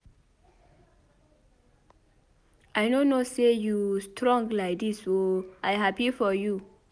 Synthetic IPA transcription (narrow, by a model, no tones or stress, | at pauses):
ʔajnonosejustʰɹɔ̃ŋɡlaɪk̚disoajɦapifɔju